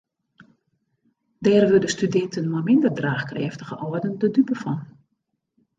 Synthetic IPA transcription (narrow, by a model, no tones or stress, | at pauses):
dɛːrʋødəstydɛntʰənmajmɪndərdraːxkrɛːftəɣəʔɔədəndədypəfɔn